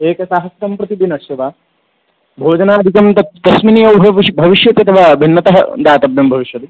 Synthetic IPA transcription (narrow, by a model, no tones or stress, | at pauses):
eːkɐsaːɦɐsɐmpɾɐt̪id̪inɐʃeʋaː | bʱoːd͡ʒɐnaːɐd̪ʱikɐmt̪ɐt̪t̪ɐsminijɐwbʱɐibʱɐʋiʃjɐt̪iɐt̪ʰɐʋaːbʱinːɐt̪ɐɦɐ̰d̪aːt̪ɐbjɐmbʱɐʋiʃjɐt̪i